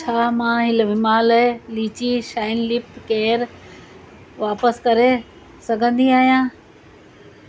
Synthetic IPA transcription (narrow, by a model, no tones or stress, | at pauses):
t͡ɕʰaːmãːɦɪlʋɪmaːlliːt͡ɕiʃaːɪnlɪpkeːɾ | ʋaːpəskɐɾe | sɐɡʱə̃nd̪iaːɦijãː